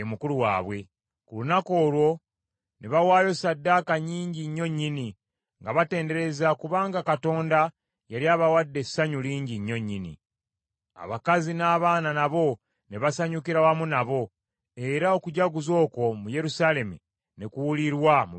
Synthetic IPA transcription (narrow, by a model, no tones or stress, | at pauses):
emukuluwa̰ːβwe̞ | kulunako̞ːlwo̞ | neβawaːjo̞sadːaːkaɲiːɲɟiɲːo̞ɲːini | ŋɡaβate̞ːnde̞ɾe̞zakuβaːŋɡakato̞ːnda | jaɾiaːβawadːe̞saɲuliːɲɟiɲːo̞ɲːinḭ | a̰βakazinaːβaːnanaβo̞ | neβasaɲukiɾawamunaβo̞ | e̞ɾao̞kuɟaɡuzo̞ːko̞muje̞ɾusaːle̞mṵ | nekuwuliɾwamu